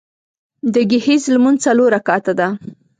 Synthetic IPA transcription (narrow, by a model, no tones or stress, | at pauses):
d̪əɡɪhizlmunt͡saloɾakɑt̪ad̪a